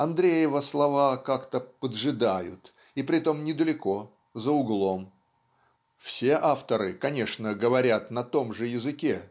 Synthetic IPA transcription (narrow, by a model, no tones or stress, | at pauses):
ɐnd̪ɾʲejɪvəslˠɐvakakt̪əpəd̪ʐɨd̪ajʊ̰t̪ | ipɾʲɪt̪o̞mnʲɪd̪əlʲɪko̞ | zəʊɡlˠo̞m | fsʲe̞ʔaft̪əɾɨkɐnʲe̞ʂnəɡəvɐɾʲat̪nɐt̪o̞mʐɨjɪzɨkʲe̞